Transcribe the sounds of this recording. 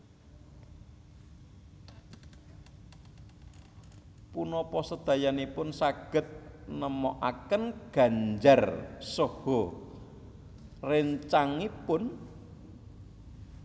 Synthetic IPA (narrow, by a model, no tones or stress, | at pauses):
punɔpɔsəd̪̥ä̤janipʊnsaɡ̥ə̤t̪̚nəmɔʔakənɡ̥a̤ɲd͡ʒarsohɔ | rɪnɲt͡ʃaŋipʊn